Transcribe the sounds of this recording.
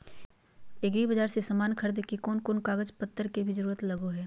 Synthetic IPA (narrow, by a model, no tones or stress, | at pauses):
eɡɾibɐd͡ʒaːɾsesɐmaːnkʰɐɾd̪kikoːnkoːnkaːɡəd͡ʒpɐt̪ːəɾkebʱizɐɾuːɾət̪lɐɡoɦɛː